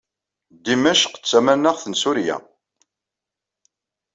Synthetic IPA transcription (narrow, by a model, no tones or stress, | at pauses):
d̪imæʃqə̥t͡sːæmænəʁθənsʊɾjæ̰